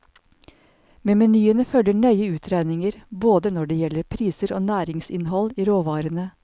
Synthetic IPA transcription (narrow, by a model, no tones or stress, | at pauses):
meːmɛnyːənəfœləɳœʏəʉːt̪ʰɾænɪŋəɾboːd̪ənɔɖeːjɛləɾpʰɾiːsəɾoːnæːɾɪŋsɪnhɔliːɾoːʋɑːɾənə